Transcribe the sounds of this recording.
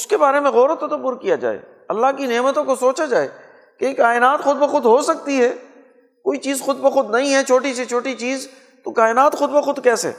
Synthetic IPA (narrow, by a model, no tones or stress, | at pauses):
ʊskebaːɾemẽɣɔːɾot̪ːɐt̪əbːʊɾkijad͡ʒa̰ːḛː | ɐlːaɦkineːmət̪õkosoːt͡ʃad͡ʒaːḛː | kekaːɪnaːt̪xʊd̪̚bəxʊd̪ɦosɐk̚t̪iɦɛː | koːit͡ʃiːzxʊd̪̚bəxʊd̪nɐɦĩɦɛt͡ʃʰoːʈiset͡ʃʰoːʈit͡ʃiːz | t̪okaːɪnaːt̪xʊd̪bəxʊd̪kɛːsḛː